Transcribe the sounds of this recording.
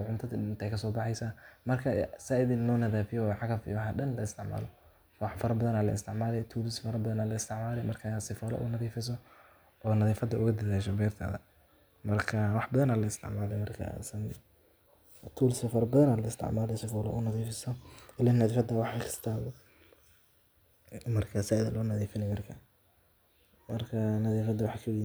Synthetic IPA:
ʕʊnt̪ʰɐðiɪnt̪ɛjkʰɐsɔːbɑħɑjsaːmɐrkʰɐsaːɪðinɔːnɐðaːfɪjɔwħɑkɐfḭwɑħɑɗɐnlɐɪst̪ɪʕma̰ːlɔ | wɑħfɐɾɐbɐðɐnaːlɐ̰ɪ̰st̪ʰɪʕmaːlɛjt̪ʰuːlɪsfɐɾɐbɐðɐnaːlɐɪst̪ʰɪʕmaːlɛjmɐrkʰɐsɪfɐl̰ʔʊ̰nɐðiːfɪs̬ɔ | ɔːnɐðiːfɐd̪ɐʊɣɐd̪ɐðaːʃɔbɛːrt̪ʰɐ̰ːðɐ̰ | mɐrkʰɐwɑħbɐðɐnaːlɐɪst̪ʰɪ̰ʕmaːlɛjmɐrkʰɐ̰sɐn | t̪ʰuːlɪsɐfɐɾɐbɐðɐnaːlɐɪst̪ʰɪ̰ʕmaːlɛjsɪfɔːlɔ̰ʔʊnɐðiːfɪsɔɪlɛnɐðiːfɐd̪aːwɑħɑjkɪ̥st̪ʰaːw | mɐrkʰɐsaðɐlɔnɐðiːfɪnɛmɐrkʰɐ | mɐrkʰɐnɐðiːfɐd̪wɑħɑkʰɐwi

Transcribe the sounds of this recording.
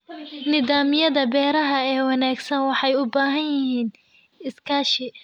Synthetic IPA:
nɪðaːmɪjɐðɐbɛːɾɐɦɐɛːwɑnaːɡsɐnwɑħɑjʊbaːɦɐnjɪhiːn | ɪskʰaːʃɪ

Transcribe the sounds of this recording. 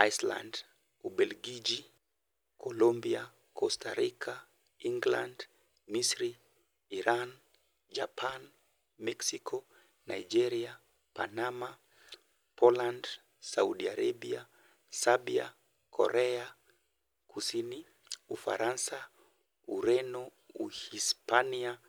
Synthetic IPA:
ajsla̰nd | uɓɛlɡid͡ʒi | kʰɔlɔmbia | kʰɔstaɾikʰa | iŋɡland | misɾiː | ɾan | d͡ʒapʰan | mɛksikʰɔ | najd͡ʒɛɾia | panama | pɔland | sauɗiaɾaɓia | saɓia̰ | kʰɔ̰ɾʔɛa | kʰusini | ufa̰ɾansa | uɾɛnɔ | uhispania

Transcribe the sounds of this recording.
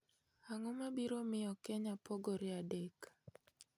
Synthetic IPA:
aŋomabiɾomɪɔkɛɲapɔɡoɾɪadek

